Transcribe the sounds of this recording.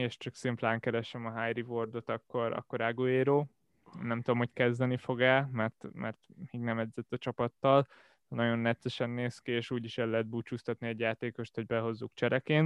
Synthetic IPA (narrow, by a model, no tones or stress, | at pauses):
eːʃt͡ʃɒksimplaːŋkɛɾɛʃɛmɒɦajɾivord̪o̞t̪ɒkːo̞ɾɒ̰kːo̞ɾaːɡoːjeːɾoː | nɛmt̪ud̪omho̞ckɛzd̪ɛnifo̞ɡɛlmɛrt̪mɛ̰rt̪miːɡnɛmɛd̪zɛt̪ːɒt͡ʃɒpɒt̪ːɒl | nɒɟo̞nːɛt̪sɛʃɛnːeːskieːʃuːɟiʃɛlːɛɦɛd̪̚buːt͡ʃuːst̪ɒt̪niɛɟjaːt̪eːko̞ʃt̪ho̞ɟ̚bɛɦo̞zːukt͡ʃɛɾɛkeːn